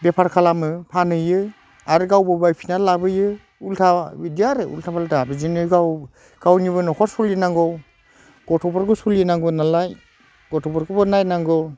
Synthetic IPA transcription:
bepʰaɾkʰalamɯpʰanɯjɯ | aɾɯɡawbɯbajpʰinalabɯjɯ | ultʰabidiaɾɯṵltʰabaldabizinɯjɡaw | ɡ̥awniβɯnɔkʰɔɾsɔljɯnaŋɡɔ | ɡ̥ɔtʰɔbɔɾɡɯsuljɯnaŋɡɔnalaj | ɡ̥ɔtʰɔbɔɾkɔbɯnajnaŋɡɔw

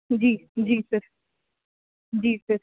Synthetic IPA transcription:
d͡ʒiːd͡ʒiːsəɾ | d͡ʒiːsəɾ

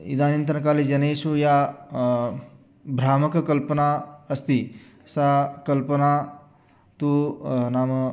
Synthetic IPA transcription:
ḭd̪aːnint̪ɐnɐkaːlid͡ʒɐneːsuja | bʱɾaːmɐkɐkɐlpɐnaɐst̪i | sakɐlpɐna | t̪unaːm

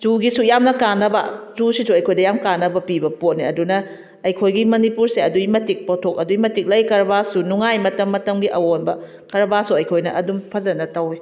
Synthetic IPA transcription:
zuɡisujamnɐkanːɐbɐ̰zusisuɐjkʰojdɐjamkanːɐbɐpibɐpot̚niɐdunɐ | ɐjkʰojɡimɐnipuɾseɐduimɐtik̚potʰok̚ɐduimɐtik̚lɐjkɐɾbasunuŋajmɐtɐmːɐtɐmɡiʔɐwonbɐ | kɐɾbasuɐjkʰojnɐʔɐdumpʰɐzɐnɐtɐwi

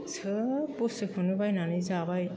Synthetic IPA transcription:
sʰɯpusɯpʰɯnubajnanɯzabaj

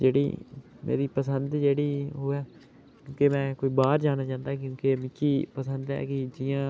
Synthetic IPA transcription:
d͡ʒeːɽḭː | mʔḛːɾiːpəsənd̪d͡ʒeːɽiːɦoːɛː | kjõːkemɛ̃ːkoːiːbaːɾd͡ʒaːñaːt͡ʃãːnd̪aːk̬jõːkeːmɪkʰːiːpəsənd̪ɛ̰ːkɪd͡ʒɪjãː

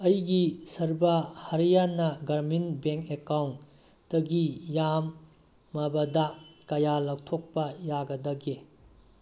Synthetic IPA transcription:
ɐjɡisɐɾbɐhɐɾijanɐɡɐɾminbeŋkekawnː | ɐɡijamː | ɐbɐdakɐjalak̚tʰok̚pɐjaɡɐdɐɡe

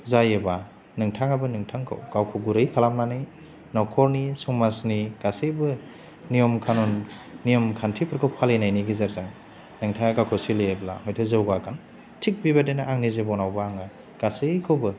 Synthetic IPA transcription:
zajeba | nɯŋtʰaŋabɯnɯŋtʰaŋkʰɯ̰wɡ̥awkʰɔɡuɾɯjkʰalamnanij | nɔkʰɔɾnisuŋmasniɡ̥asɯjbɯ | nijɔmkʰanunː | ijɔmkʰantʰipʰɯɾkʰɯwpʰalejnajniɡizaɾzaŋ | nɯŋtʰaŋaɡawkʰɔsileebla̰hɔjtʰɯzɯwɡakʰan | tʰik̚bibadenaʔaŋnizebɔnawbɯaŋaj | ɡ̥asɯjkʰɯwbɯ

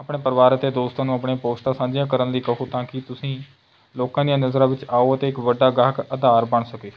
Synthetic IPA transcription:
apɳeːpəɾʋaːɾət̪eːd̪oːst̪ãːnũːapɳeapoːsʈ̪aːsãːɲd͡ʒɪjãːkəɾənliːkəɦuːt̪ãːkɪt̪ʊsĩː | loːkãːd̪ijãːnəzɾãːʋɪt͡ʃaːoːət̪eːɪkʋəɖaːɡəɦkəd̪aːɾbəɳsəkeː

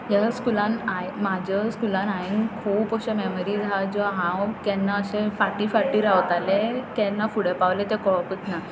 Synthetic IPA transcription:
jaskulãnaemad͡ʑʱəskulãnaenkʰuːpəɕameməɾiːd͡zʱad͡zɔɦãwkɛnːaəɕefaʈifaʈiːɾawt̪alekɛ̃nːafuɽepawlet̪ekɔɭpət̪na

